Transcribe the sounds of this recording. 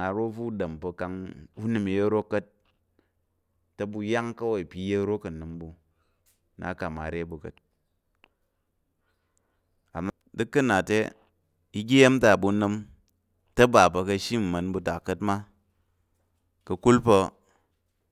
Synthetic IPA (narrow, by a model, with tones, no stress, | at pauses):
a˨ɾo˦fu˦dɐ˨mpɐ˧ka˧ŋu˦nɨ˨mi˨je˦ɾo˦kə˦t̚ | ɐ˦bu˧ja˦ŋkɐ˦wo˨i˨pʲi˨˦je˦ɾo˦kɐ˨nɨ˨mbu˧ | nʔa̰˨˦ka˨ma̰˨ɾe˦bu˨kə̰˨t̚ | a̰˨m | dɨ˦kːɨ˦na˨tḛ˦ | i˦ɡʲe˦je˦mta˨bu˧nɨ˧m | tɐ˦ba˨pɐ˧kɐ˧ʃi˦m̩˨mɐ˨nbu˧ta˨kə˦tma˦ | kɐ˧ku˦lpə˧